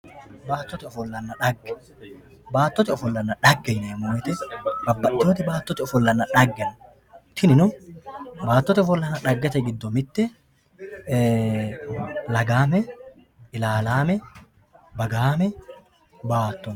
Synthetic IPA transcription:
baːt̪ːɔt̪ɪɔfɔlːɐnːɐᶑɐɡːɛ | baːt̪ːɔt̪ɪɔfɔlːɐnːɐᶑɐɡːɛjnɐjɐmʊmɛt̪ɛbɐbːɐʔːoːt̪ɪbaːt̪ːɔt̪ɪɔfɔlːɐnːɐᶑɐɡːɛn | t̪ʰɪnɪnɔ | baːt̪ːɔt̪ɪɔfɔlːɐnːɐᶑɐɡːɛt̪ɛɡɪd̪ːɔmɪt̪ːɛ | lɐɡaːmɛ | ɪlaːlaːmɛ | bɐɡaːmɛ | baːt̪ːɔn

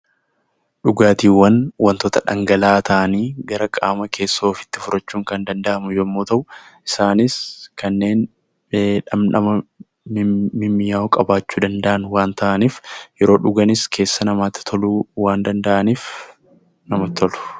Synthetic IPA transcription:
ᶑʊɡaːt̪iːwːɐnwɐnt̪ot̪ɐᶑɐ̰ŋɡɐlaːt̪ʰɐʔɐniːɡɐɾɐkʼaːmɐkʰe̞ːsːo̞ːfɪ̥t̪ːɪfʊɾɐt͡ʃːuːŋkɐnd̪ɐnd̪ɐʔɐmʊjɛmːoːt̪ɐʔʊʔɪsaːnɪskɐnːe̞ːnː | ᶑɐmnɐmɐ | mɪmːɪjaːɔkʼɐbaːt͡ʃːuːd̪ɐnd̪ɐʔɐnwaːnt̪ɐʔɐniːfjɛɾo̞ːᶑʊɡɐnɪskʰe̞ːsːɐnɐmaːt̪ːɪ̥t̪ʰɔluːwaːnd̪ɐnd̪ɐʔɐniːf | nɐmɐt̪ɔlʊ̥

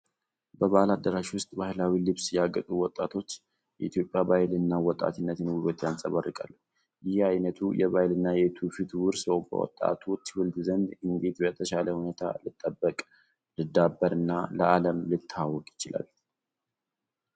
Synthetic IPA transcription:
bəβalad̪ːəɾaʃiwʊst̪ʼbahlawilɨβsjɛaɡət̪ʼuwɔt̪ʼːat̪ʰo̞t͡ʃː | jɛit̪ʰjo̞pʼːjabajɪlɨnːawɔt̪ʼa̰t̪ɨnːət̪ʰɨnwuɾot̪jansʼəβarːɨkʼalːuh | jɪhajnət̪ʰujɛβajɪlɨnːajɛt̪ʰufit̪ʰwʊɾsəwbə̰wɔ̰t̪ʼːa̰t̪ʰo̞t͡ʃːwʊld̪zənd̪ɨŋɡet̪bəɛt̪ʰəʃaləhune̞t̪ʰa̰lɨt̪ʼːəbːəkʼ | lɨd̪abːəɾɨnːaləʔaləmlɨt̪ʰːawːɔkʼjɪt͡ʃɪla̰l

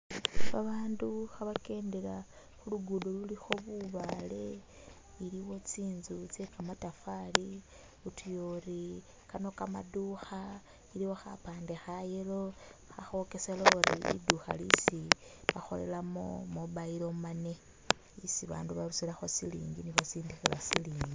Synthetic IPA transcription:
βaβaːnduxaβake̞ːndela | xuluɡudolulixo̞βuβale̞ | iliwo̞t͡siːnzut͡sekamatafali | utujori | kano̞kamaduxa | iliwo̞xa̰paːnde̞xajeloxaxo̞ke̞seloɾḭlḭduxa̰lḭsiβaxo̞̰le̞̰lamo̰moβaiɾo̞mane̞ | isiβa̰ːnduβaɾusilaxo̞silḭːŋɡiniβat͡siːndixilasiliːŋɡi

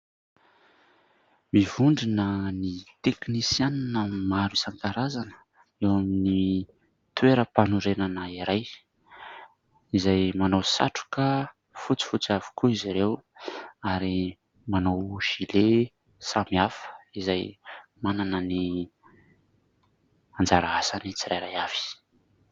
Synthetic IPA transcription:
mivuɳɖ͡ʐinənit̪eknisjaninəmaɾisaŋkaɾazanə̥ | ewamini | t̪weɾəpanuɾenanəiɾaj | izajmanawsa̰ʈ͡ʂu̥kə | fut͡si̥fut͡siavi̥kuiziɾew | aɾi | manawʒ̥ile | samiafə̥izajmananəni | and͡zaɾaasanit͡siɾajɾajav̥i̥

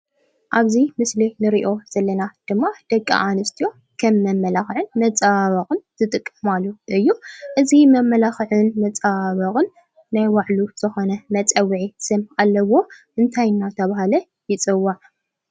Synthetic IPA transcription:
ʔaβzimɨslinɨɾiʔo̞z̥ɐlːɐnad̪̥ɨmːad̪̥ɐkʼːa̰ʔanɨst̪ʰijo̞ | kʰɐmːɐmːɐlaxʕɨnmɐt͡sʼaβɐχʼɨnt̪ʰɨt̪ʼɨkʼːɨmalːuʔɨjːuʔɨzimɐmːɐlaxʕɨnmɐt͡sʼaβɐχʼɨnː | ajwaʕluz̥ɨxo̞nɐmɐt͡sʼɐwʕisɨmalːɐwo̞ʔɨnt̪ʰajnːat̪ʰɐβahalɐ | jɪt͡sʼɨwːaʕ

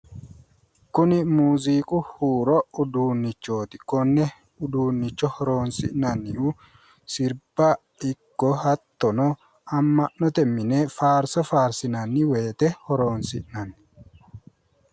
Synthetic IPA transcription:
kʊnɪmuːziːkʼʊhuːɾɔʊd̪uːnːɪt͡ʃːo̞ːt̪ɪ̥kɔnːɛ | ʊd̪uːnːɪt͡ʃːɔhɔɾo̞ːnsɪ̰ʔnɐnːɪu | sɪɾb̥ɐ | ɪkːɔhɐt̪ːɔnɔ | ɐmːɐʔnɔt̪ɛmːɪnefaːɾsɔfaːɾsɪnɐnːɪweːt̪ɛhɔɾo̞ːnsɪʔnɐnː

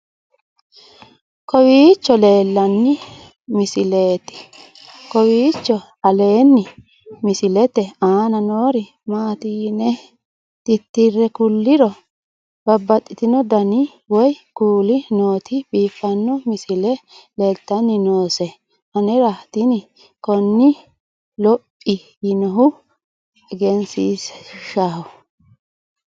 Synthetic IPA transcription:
kɔwiːt͡ʃːɔle̞ːlːɐnːɪ | mɪsɪleːt̪ɛ̥ | kɔwiːt͡ʃːɔ | ɐle̞ːnːɪ | mɪsɪlɛt̪ɛaːnɐnoːɾɪ | maːt̪iːnɛ | t̪ɪt̪ːɪrːɛkʊlːɪɾɔ | b̥ɐbːɐt̪ʼːɪt̪ɪnɔd̪ɐnɪ | wɔjkuːlɪnoːt̪ɪbiːfːɐnːɔmɪsɪlɛlɛlt̪ːɐnːɪnoːsɛ | ʔɐnɛɾɐt̪ɪnɪ | kɔnːɪ | lɔpʼːɪ | jɪnɔɦʊ | ɛɡɛnsiːsʃaɦɔ

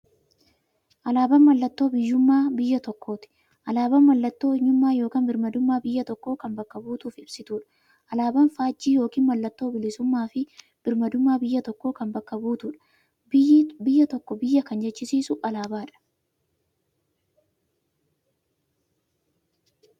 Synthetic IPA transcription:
ʔɐlaːbɐnmɐlːɐt̪ːo̞ːbɪjːʊmːaːbɪjːɐt̪ɔkːo̞ːt̪ɪ̥ | ʔɐlaːbɐnmɐlːɐt̪ːo̞ːɪɲːʊmːaːjo̞ːkɐnbɪɾmɐd̪ʊmːaːbɪjːɐt̪ɔkːo̞ːkɐmbɐkːɐbuːt̪uːfɪb̥sɪt̪uːᶑɐ̥ | ʔɐlaːbɐnfaːd͡ʒːiːjo̞ːkiːnmɐlːɐt̪ːo̞ːbɪlɪsʊmːaːfɪ | b̥ɪɾmɐd̪ʊmːaːbɪjːɐt̪ɔkːoːkɐmbɐkːɐbuːt̪uːᶑɐ̥ | bɪjːɐt̪ɔkːɔbɪjːɐkɐnd͡ʒɛt͡ʃːɪsiːsʊʔɐlaːbaːᶑɐ̥

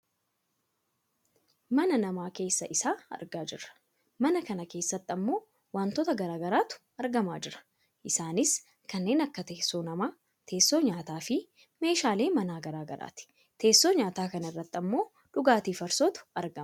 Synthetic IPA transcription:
mɐnɐnɐmaːke̞ːsːɐʔɪsaːɐ̰ɾɡaːd͡ʒɪrːɐ̥ | mɐnɐkɐnɐke̞ːsːɐt̪ːɪɐmːo̞ː | waːnt̪ɔt̪ɐɡɐɾaːɡɐɾaːt̪ʊ̥ | ɐɾɡɐmaːd͡ʒɪɾɐ̥ | ʔɪsaːnɪs | kɐnːe̞ːnɐkːɐt̪eːsːoːnɐmaː | t̪ʰe̞ːsːo̞ːɲaːt̪aːfɪ | me̞ːʃaːle̞ːmɐnaːɡɐɾaːɡɐɾa̰ːt̪ɪ̥ | t̪ʰe̞ːsːo̞ːɲaːt̪aːkɐnɪrːɐt̪ːɐmːo̞ː | ᶑʊɡaːt̪iːfɐɾsoːt̪ʊ̥ɐɾɡɐm

